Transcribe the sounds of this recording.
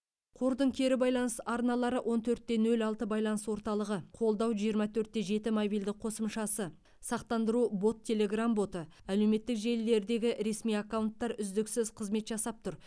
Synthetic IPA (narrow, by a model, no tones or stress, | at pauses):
qʰo̞ɾd̪əɴkʲʰe̞ɾɪbɑjlˠɑnəsɑɾnɑlˠɑɾəwʔo̞nt̪ʰɵɾt̪̚ːe̞nɵlɑlˠt̪əbɑjlˠɑnəswo̞ɾt̪ɑlˠəʁəqʰo̞lˠd̪ɑwʒijəɾmɑt̪ʰɵɾt̪̚ːe̞ʒe̞t̪ɪmobijld̪ɪk̚qʰo̞səmʃɑsə | sɑqt̪ɑnd̪əɾubo̞t̪ʰːe̞le̞ɡrambo̞t̪ə | æle̞wme̞t̪ːɪkʒe̞lːe̞ɾd̪e̞ɡʲɪɾe̞smijakːawnt̪ːɑɾʏzd̪ɪksɪzqʰəzme̞t̪ʒɑsɑp̚t̪ʰʊɾ